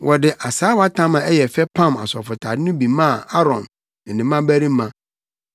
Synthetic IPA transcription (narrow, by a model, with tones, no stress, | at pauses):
wʔɔ˨dɪ˨ʔa˨saː˦wa˦tʰã˦mã˨ɛ˦jɛ˨fɛ˦pʰã˦ma̰˨sɔ˨fʊ˨tʰa˨dɪ˦nʊ̃˦bi˨mã˦˨a˦ɾɔ̰̃˨m | n̩˨nĩ˨mã˦bæ˦ɾĩ˦mã˦